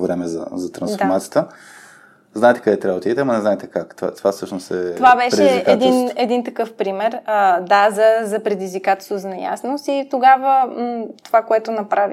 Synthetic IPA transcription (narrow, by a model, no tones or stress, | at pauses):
vɾɛmɛzɐ̰zɐt̪ɾɐnsfoɾmat̪sijət̪ə | znaɛt̪ɛ̥kɐd̪ɛt̪ɾʲabvəd̪id̪ɛt̪ɛɐmɐnɛznaɛt̪ɛkakt̪a̰t̪ovafsɤʃnosɛt̪ovabɛʃɾɛɛizɛd̪inɛd̪int̪ɐkɤfpɾimɛɾəd̪azɐzɐpɾɛd̪izvikat̪ə̥soznɐja̰snosit̪oɡavət̪ovakoɛt̪ʊnɐpɾavi